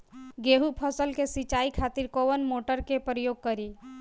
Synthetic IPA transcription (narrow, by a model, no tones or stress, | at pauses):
ɡeɦupʰəsəlkesit͡ʃaikʰat̪iɾkoʋənmoʈəɾkepɾəjoɡ̚kəɾi